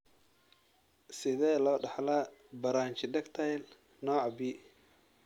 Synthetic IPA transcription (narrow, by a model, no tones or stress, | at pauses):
sɪðɛːlɔːɖɑħlabɐɾaːnt͡ʃɪd̪ɛkt̪ʰɐjl | nɔːʕbiː